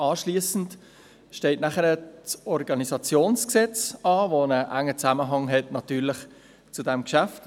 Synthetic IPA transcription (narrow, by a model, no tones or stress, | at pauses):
ɑːʃliəsn̩t | ʃteɪtnæχəɾət͡sɔɾɡɑnizɑt͡sjoːnsksɛt͡sɑːvonəʔæŋːət͡sæməɦɑŋɦɛtnɑtyːɾlɪχ | t͡sudɛmkʃæft